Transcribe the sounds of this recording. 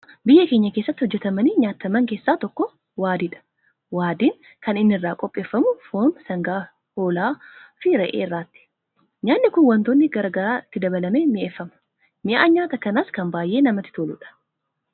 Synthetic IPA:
bɪjːɐke̞ːɲːɐke̞ːsːɐt̪ːɪhɔd͡ʒːɛt̪ɐmɐniːɲaːt̪ːɐmɐŋke̞ːsːaːt̪ɔkːɔ | waːd̪ɪᶑɐ̥ | waːd̪iːŋ | kɐnɪnːɪrːaːkʼɔpʼːe̞ːfːɐmʊfoːmsɐŋɡaː | ho̞ːlaːfɪɾɐʔḛːɪrːaːt̪ːɪ̥ | ɲaːnːɪkʊnwɐnt̪onːɪɡɐɾɐɡɐɾaːɪt̪ːɪd̪ɐbɐlɐmeːmɪʔefːɐmɐ̥ | mɪʔaːɲaːt̪ɐkɐnaːskɐmbaːjʔe̞ːnɐmɐt̪ːɪ̥t̪oːlʊᶑɐ̥

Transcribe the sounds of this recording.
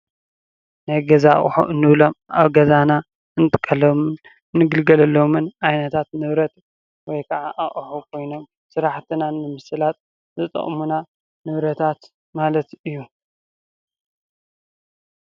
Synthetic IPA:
najɡɐzaχʼħṵʔɨnːɨβlo̞ma̰βɡɐzana | ɨnt̪ʼɨ̥kʼːɐlɐm | nːɨɡɨlɡɐlɐlːomɨnʔajnɐt̪ʰat̪nɨβɾɐt̪ | wɔjkʰɐʕaʔaʔʼħukʰo̞jno̞m | sɨɾaħt̪ʰɨnanːɨmɨsɨlat̪̚ | zɨt̪ʼɐ̰χʼmuna | nɨβɾɐt̪ʰat̪ | malɐt̪ɨjːu

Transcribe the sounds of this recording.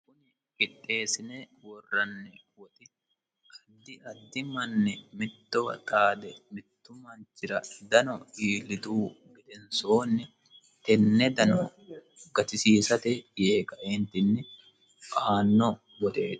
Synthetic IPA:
kʊnɪ | kɪᶑːe̞ːsɪne | wɔrːɐnːɛ | wɔt̪ɪ | ʔɐd̪ːɪɐd̪ːɪmɐnːɛmɪt̪ːɔwɐ̰t̪aːd̪ɛmɪt̪ːʊmːaːnt͡ʃɪɾɐd̪ɐnɔiːlːɪt̪uː | ɡɛd̪ɛnsoːnːɪ | t̪ɛnːɛd̪ɐnɔ | ɡɐt̪ɪsiːsɐt̪ɛjeːkɐʔeːnt̪ɪnːɪ | ʔaːnːɔ | wɔt̪eːt̪

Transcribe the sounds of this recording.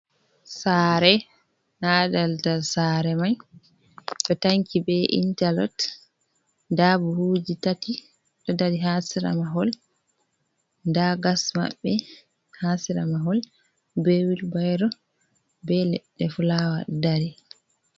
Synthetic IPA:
saːɾɛ | nadaltasaɾɛmaj | ɗɔtaŋkibɛʔḭntalɔ̰t | dabuhud͡ʒitati | ɗɔdaɾiɦasiɾa̰maɦɔl | ndaɡasma̰ɓːɛ | hasiɾa̰maɦɔl | bewilbajɾɔ | bɛlɛ̰ɗːɛfulawa̰ɗdaɾi

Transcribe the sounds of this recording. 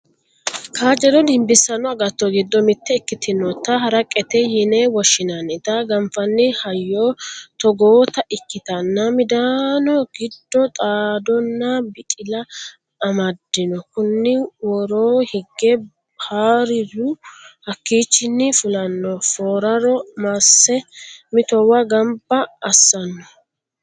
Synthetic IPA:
kaːd͡ʒɛɾɔd̪ɪmbɪsːɐnɔɐɡɐt̪ːɔɡɪd̪ːɔmɪt̪ːɛːkːɪt̪ɪnːɔt̪ːɐɦɐɾɐkʼːɛt̪ɛjɪnewɔʃːɪnɐnɪt̪ɐɡɐmfɐnːɪhɐjːoːt̪ɔɡoːt̪ɐʔɪkːɪt̪ɐnːɐmɪd̪aːnɔɡɪd̪ːɔt̪ʼaːd̪ɔnːɐbɪt̪ʼɪlɐː | mɐd̪ːɪnɔkʊnːɪwɔɾoːhɪɡːɛ | haːɾɪdʊhɐkːiːt͡ʃːɪnːɪfʊlɐnːɔfoːɾɐɾɔmɐsːɛmɪt̪ɔwɐɡɐmbɐːsːɐnːɔ

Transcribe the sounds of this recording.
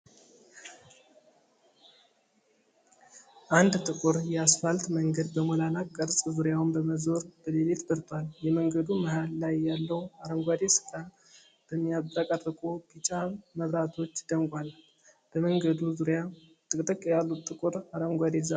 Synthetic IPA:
ʔand̪t̪ʼɨkʼuɾjɛasfalt̪məŋɡəd̪bəmolanakʼːəɾsʼzuɾjawɨmbəməzo̞ɾb̥əlelet̪bəɾt̪ʰʼwaljɛməŋɡəd̪uməhalːajːalːəwaɾəmɡʷad̪esɨ̥kʼa | b̥əmːijaakʼərɨkʼobit͡ʃʼaməβɾat̪ʰo̞t͡ʃːd̪əmkʼʷal | b̥əməŋɡəd̪uzuɾja | t̪ʼɨkʼt̪ʼɨkʼjalːut̪t̪ʼːɨkʼuɾaɾəmɡʷad̪eza

